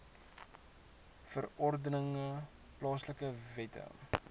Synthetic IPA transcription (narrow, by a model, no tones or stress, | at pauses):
fərɔrdənəŋə | plɑːsləkəvɛtʰə̰